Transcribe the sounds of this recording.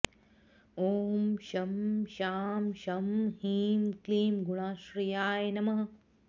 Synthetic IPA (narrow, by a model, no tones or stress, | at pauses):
oːmʃɐmʃaːmʃɐmhiːmkliːmɡuɽaːʃɾijaːjnɐmɐɦɐ